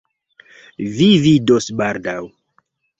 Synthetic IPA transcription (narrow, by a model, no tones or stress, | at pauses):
vividosbaɾdaw